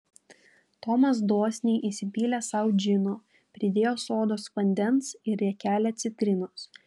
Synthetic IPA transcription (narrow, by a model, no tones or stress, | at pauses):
t̪ɔmɐs̬d̪oːsʲnʲɛɪʔisʲɪpʲiːlʲɛsɐˑʊd͡ʒʲɪnoː | pʲɾʲɪd̪ʲeːjoːsoːd̪oːsʋɐnʲd̪ʲɛnsɪɾʲɛkʲæːlʲɛt̪sʲɪt̪ʲɾʲɪnʊs